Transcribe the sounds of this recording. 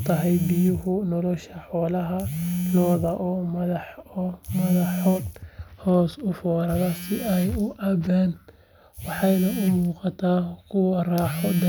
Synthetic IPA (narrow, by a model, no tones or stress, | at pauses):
t̪ʰɐɦɛjbɪjʊɦʊnɔlɔʃɐħɔːlɐɦɐlɔːðɐʔɔːmɐðɑħɔmɐðɑħɔːd̪̚hɔːsʊfɔːɾɐðɐsɪʔɛjʊʔɐβaːn | wɑħɑjnɐʔʊmuːqɑt̪ʰaːkʰʊwɐraːħɔd̪ɐ